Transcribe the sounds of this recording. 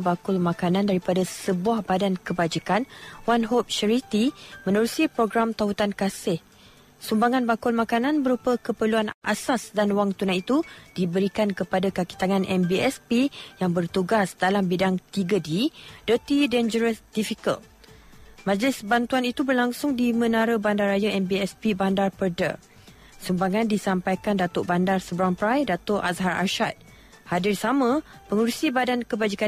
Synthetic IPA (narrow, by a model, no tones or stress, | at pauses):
bakʊlmãkanãndaɾipadasəbuahbadankəbad͡ʒikanwanɦop̚ʃaɾit̪imə̃nəɾusipɾoɡɾamt̪aut̪ankasɪh | sumbaŋãnbakʊlmãkanãnbəɾupəkəpəluanʔa̰sasdanwaŋt̪unajit̪ud̥ibəɾikankəpadakaki̥t̪aŋãnʔɛmbiɛspijaŋbərt̪uɡasdalambidaŋt̪iɡədid̥ət̪idɛnd͡ʒəɾəsdifikə̰l | mãd͡ʒəlɪsbant̪uanit̪ubərlaŋsʊŋdimə̃naɾəbandarajaɛmbiɛspibandarpərdə̰ | sumbaŋãndisampajkandat̪ʊʔbandarsəbəɾaŋpɾajdat̪ʊʔa̰sɦaɾa̰ʃat̪̚ | hadɪrsamãpəŋuɾusibadankəbad͡ʒika